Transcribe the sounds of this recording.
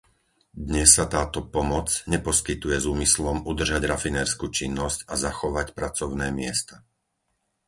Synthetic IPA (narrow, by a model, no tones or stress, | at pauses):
d̪ɲɛsːat̪aːt̪ɔpɔmɔt͡sɲɛpɔskit̪ujɛzuːmislɔmud̪r̩ʒaɟɾafinɛːɾskuːt͡ʃinːɔscazaxɔʋacpɾat͡sɔʊnɛːmɪɛ̰st̪a